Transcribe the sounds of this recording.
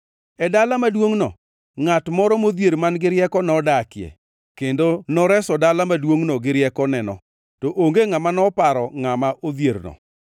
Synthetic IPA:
ɛdalamadwoŋnɔ | ŋatmɔɾɔmoðjeɾmanɡɪɾjɛkɔnɔdakɪɛ̰ | kendonɔɾɛsɔdalamadwoŋnɔɡɪɾjɛkɔnɛnɔ | tɔʔoŋɡeŋamanɔpaɾɔŋamaʔoðjeɾnɔ̰

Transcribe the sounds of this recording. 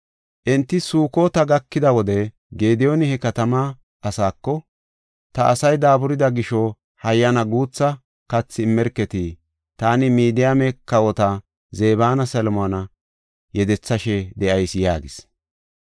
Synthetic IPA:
ʔɛnt̪ːɪsuːko̞ːt̪ɐɡɐkːɪd̪ɐwɔd̪ɛ | ɡe̞ːd̪ɪjonɪhɛkɐt̪ɐma | ʔɐsaːkːɔ | t̪ɐʔɐsɐjd̪aːbʊɾɪd̪ɐɡɪʃɔ | hɐjːɐnɐɡuːt͡sːɐ | kɐt͡sːɪmːɛɾkːɛt̪i | t̪aːnɪmiːd̪ɪjamɛkɐwɔt̪ɐ | ze̞ːβaːnɐsɐlmonɐ | jɛd̪ɛt͡sːɐʃɛd̪ɛʔɐjsjaːɡɪs

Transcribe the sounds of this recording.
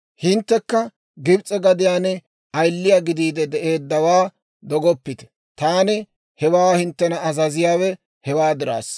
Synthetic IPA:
hɪnt̪ːɛkːɐ | ɡɪbt͡sʼɛɡɐd̪ɪjaːnɛ | ɐjlːɪjaːɡɪd̪iːd̪ɛd̪ɛʔe̞ːd̪ːɐwaː | d̪ɔɡɔpːɪt̪ɛ̥ | t̪aːnɪ | hɛwaːhɪnt̪ːɛnɐːzɐzɪjaːwɛ | hɛwaːd̪ɪɾa̰ːs

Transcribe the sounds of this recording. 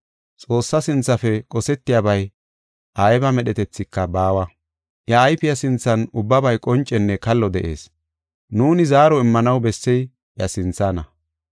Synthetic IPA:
t͡sʼo̞ːsːɐsɪnt͡sːɐfɛkʼɔsɛt̪ːɪjabɐj | ʔaːjɛbɐmɛɗɛt̪ɛt͡sːɪkːɐbaːwɐ | jɐːjpɪjɐsɪnt͡sːɐnʊbːɐbɐjkʼɔnt͡ʃʼːɛnːɛkɐlːɔd̪ɛʔḛːs | nuːnɪzaːɾɔɪmːɐnɐwbɛsːɛj | jɐsɪnt͡sːaːnɐ

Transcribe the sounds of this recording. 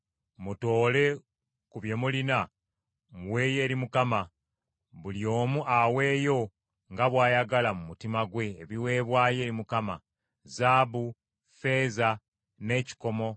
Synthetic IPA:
muto̞ːle̞ | kuβje̞mulina | ŋwe̞ːje̞ːɾimukama | βuljo̞ːmuʔawe̞ːjo̞ | ŋɡaβwaːjaɡalamumutimaɡwe̞ːβiwe̞ːβwaːje̞ːɾimukama | zabu | fe̞ːza | ne̞ːci̥ko̞mo̞

